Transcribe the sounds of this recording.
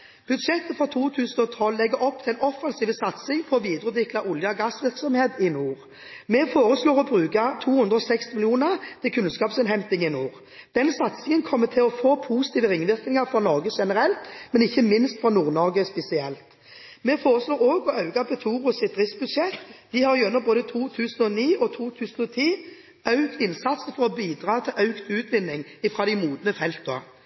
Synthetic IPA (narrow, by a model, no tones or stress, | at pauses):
b̥ʉd̪ʂɛt̪ːəfɾɑt̪ʰuːt̪ʰʉːsən̩ɔt̪ʰɔlːɛɡːəɾɔpt̪ʰɪɛlnɔfːɑnsiːʋəsɑt̪sɪŋpʰɔɔʋiːd̪ɾʉd̪ʋɪkt̪ɑʔʊljəɡɑsʋɪʁksɔmheːt̪ɪnuːʁ | mɛfoːɾəsloːɾɔbɾʉːkɑt̪ʰuːhʉnd̪ɾəɔsɛkst̪ɪmɪlɪuːnəʁt̪ʰɪlkʰʉnskɑːpsɪnɦɛmt̪ɪŋɪnuːʁ | d̪̥ɛnsɑt̪sɪŋənkʰɔmːət̪ʰɪlɔfoːpʰuːsɪ̥t̪ʰiːʋəɾɪŋʋɪʁknɪŋɑʁfɾɔnɔʁɡəʃɛnəɾɛlt̪mɛnɪçːəmɪnst̪fɾɑnuːʁnɔʁɡəspɛsɪɛlt̪ | mɛfoːʁəsloːʁoːɡɔɑʉɡɑpʰɛt̪ʰuːʁʊsɪt̪ʁɪsbʉd̪ʂɛt̪ːd̪ɪhɑɾjʊʉnːəʁboːd̪ət̪ʰuːt̪ʰʉːsən̩ɔniːɔt̪ʰuːt̪ʰʉːsn̩ɔt̪ʰiː | œʉkt̪ɪnsɑt̪səfɔʁɔbiːd̪ʁɑːt̪ʰɪlʔɑʉkt̪ʉːt̪ʋɪnːɪŋɪfɾɑːd̪ɛɪmuːd̪nəfɛlt̪əə̰